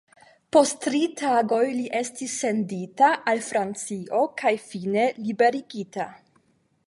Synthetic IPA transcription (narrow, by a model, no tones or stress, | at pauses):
postɾitaɡo̞jliʔestisːe̞nditaʔalfɾant͡siʔo̞kʰajfine̞libe̞ɾiɡita